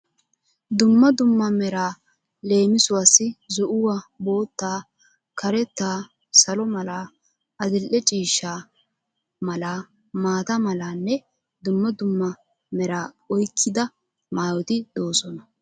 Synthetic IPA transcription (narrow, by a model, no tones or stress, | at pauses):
d̪ʊmːɐd̪ʊmːɐmɛɾaː | le̞ːmɪsʊwaːsɪzɔʔʊwabo̞ːt̪ːaː | kʰɐɾɛt̪ːaː | sɐlɔmɐlaː | ʔɐd̪ɪlʔɛt͡ʃʼiːʃːaː | mɐlaː | maːt̪ɐmɐlaːnːɛ | d̪ʊmːɐd̪ʊmːɐ | mɛɾaː | ɔjkʰːɪd̪ɐ | maːwɔt̪ɪd̪̥o̞ːsɔnɐ